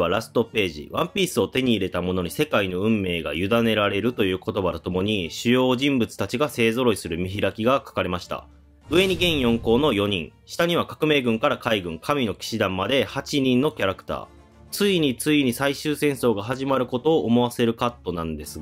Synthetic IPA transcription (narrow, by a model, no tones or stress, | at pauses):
aɾasɨ̥t̪o̞pe̞ːʑḭβãmpʲiːsɨo̞t̪e̞ɲ̟iːɾe̞t̪amo̞no̞ɲ̟ise̞kaino̞ɯ̟̃mːe̞ːɡa̰jɯ̟d̪ane̞ɾaɾe̞ɾɯ̟t̪o̞jɯ̟ːko̞t̪o̞bad̪ot̪o̞mo̞ɲ̟iɕɨjo̞ːʑĩmbɯt͡sɨ̥t̪at͡ɕiɡase̞ːzo̞ɾo̞isɨɾɯ̟mʲiçiɾakʲiɡakḁkaɾe̞maɕi̥t̪a̰ | ɯ̟e̞ɲ̟iɡẽ̞ɰ̃jõ̞ŋko̞ːno̞jo̞ɲ̟ḭ̃ŋɕi̥t̪aɲ̟iβ̞akḁkɯ̟me̞ːɡɯ̟̃ŋkaɾakaiɡɯ̟̃ŋkʰamʲino̞kʲi̥ɕid̪ãmːad̪e̞hat͡ɕiɲ̟ĩnːo̞kʲaɾakɯ̟̥t̪a̰ː | t͡sɨiɲ̟it͡sɨiɲ̟isaiɕɨːsẽ̞ɰ̃so̞ːɡaɦaʑimaɾɯ̟ko̞t̪o̞ːʔːmo̞βase̞ɾɯ̟kat̪ːo̞nãnd̪e̞sɨ